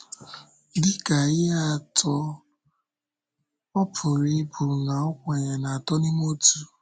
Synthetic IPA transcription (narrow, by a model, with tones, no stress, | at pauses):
dɪ˦ka˨ɪ˦a˦˨tʰɔ˦ | ɔ˦pʰʊ˨ɾi˦bu˨na˨ɔ˦kʷe˨ɲe˨na˨tɔ˦ni˦m˦o˦tu˦